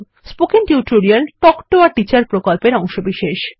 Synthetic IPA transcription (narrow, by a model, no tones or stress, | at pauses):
spokinʈjuʈoɾialʈɔkʈoaɾʈit͡ɕaɾpɾokolpeɾɔŋʃobiʃeʃ